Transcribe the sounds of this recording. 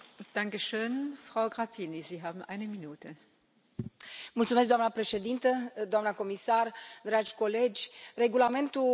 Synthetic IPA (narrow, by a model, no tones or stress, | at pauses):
d̥aŋkəʃøːnfʁ̥aʊɡʁapʰiniziːɦaːbm̩ʔaɪnəminuːtʰə | mult̪sumes̬̚d̪oanəpɾe̞ʃe̞d̪int̪əd̪oamnəko̞misard̪ɾad͡ʒʲko̞le̞d͡ʒʲre̞ɡulame̞nt̪u